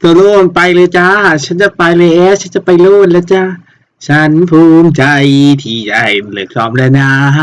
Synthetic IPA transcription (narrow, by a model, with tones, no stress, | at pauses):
t̪ɔː˧˦loː˧˥˩npa˧jlɤː˧t͡ɕa˧˥a˧˨˩t͡ɕʰa˦˥nt͡ɕa˧˩pa˧jlɤː˧jʔɛː˧˥t͡ɕʰa˦˥nt͡ɕa˧˨pa˧jloː˥˩nla˧˥˩t͡ɕa˧˥˩ | t͡ɕʰa˦˥npʰuː˧mt͡ɕa˧jt̪ʰiː˧t͡ɕa˧˩jlɯː˨˩kɔː˧˩mlɛ˧˩na˧